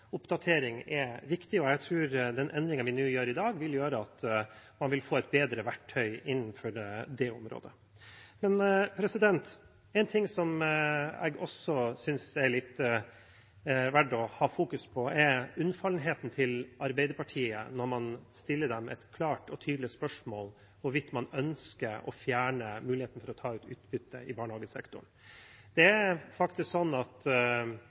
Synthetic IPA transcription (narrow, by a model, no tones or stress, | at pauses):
ʊpd̪ɑt̪ʰeːɾɪŋɛʋɪkt̪ɪɔæɡt̪ʰɾʉːɾd̪ɛnʔɛnd̪ɾɪŋənʋɪnʉːjøːɾɪd̪ɑːɡʋɪljøːɾəɑt̪mɑnʋɪlfoːɛt̪̚beːd̪ɾəʋæʈʰːœʏɪnːnfɔɖd̪ɛʊmɾo̰ːd̪ə | mɛnpʰɾɛsɪd̪ɛnt̪ | ɛɪnt̪ʰɪŋsɔm | ɛ̰ɡɔsɔsʏnsɛɭɪt̪ː | ʋæɖɔhɑːfuːkʉspʰɔɛʉnfɑlnɦeːt̪n̩t̪ʰɪlʔɑɾbɛɪd̪əɾpɑʈʰiːə̰nɔɾmɑnst̪ɪlːəɖɛmɛ̰t̪kʰlɑːʈɔt̪ʰyːd̪lɪspœʂmoːl | ʋʊɾʋɪt̪mɑnœnskəɾɔ̰fjæːɳəmʉːlɪheːt̪n̩fɔɾɔt̪ʰɑːʉːt̪ʉːt̪bʏt̪ʰːə̰ʔɪbɑːɳəhɑːɡəsɛ̰kt̪ʊ̰ɳ | d̪̥ɛæɾfɑkt̪ɪsksɔnːɑt̪